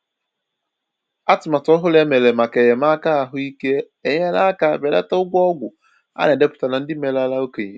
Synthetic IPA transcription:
a˦tʊ˨ma˨tɔ˦ɦʊ˦le˦me˨le˨ma˨ke˨je˨ma˦ka˦˨ɦʊ˦i˦ke˦ | e˨ɲe˦la˦ka˨be˨lḛ˦ta˦ʊ˦ɡʷɔ˦ɡʷʊ˨ | a̰˦ne˨de˦pʊ̥˦ta˨na˨n̩˦dɪ˦me˨la˦la˦o˦ke˨ɲe˦

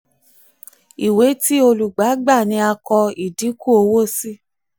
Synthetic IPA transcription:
i˨we˨˦ti˦o˧lu˨ɡ͡ba˨˦ɡ͡ba˦˨nĩ˨˧˦a˧kɔ˧i˨di˨˦ku˦o˧wo˦si˦

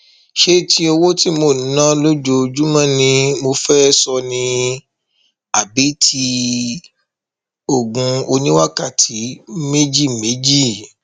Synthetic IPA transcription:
ʃe˦˨tʰi˧˦o˧wo˦ti˦mo˧˨n̩˨˦nã˦lo˦d͡ʒo˧d͡ʒu˦mã˦˨nĩ˧mo˧fɛ˦sɔ˧nĩ˧ | a˨bi˨˦tʰi˦ | o˦˨ɡũ˨˧o˧nĩ˦wa˦ka˦˨tʰi˨˦me˦d͡ʒi˦˨me˨˦d͡ʒi˦˨

